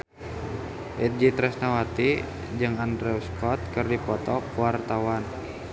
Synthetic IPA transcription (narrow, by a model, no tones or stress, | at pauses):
ʔɛt̪̚d͡ʒit̪ɾɛsnawat̪i | d͡ʒɨŋandɾɛuskʰɔt̪̚kɨrdipɔt̪ɔkuwart̪awan